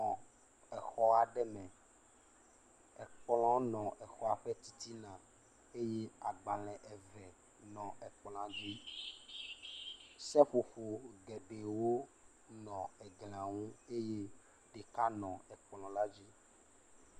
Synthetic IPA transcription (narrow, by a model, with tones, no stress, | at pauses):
ɔ̃˨ | ɛ˨xɔ˦a˨ɖɛ˦mɛ̃˨ | ɛ˨k͡plɔ̃˦nɔ̃˨ʔɛ˨xɔ˦a˨ɸɛ˦t̪i˨t̪i˦nã˨ | e˦je˦a˨ɡ͡ba˨lɛ̃˨ʔɛ˨vɛ˨ | nɔ̃˨ɛ˨k͡pl̃ã˨d͡ʒi˦ | sɛ˦ɸo˨ɸo˨ɡɛ˨be˨wo˦ | nɔ̃˨ɛ˨ɡl̃ã˨ŋũ˦e˦je˦ | ɖe˨ka˦nɔ̃˨ɛ˨k͡plɔ̃˨la˦d͡ʑi˦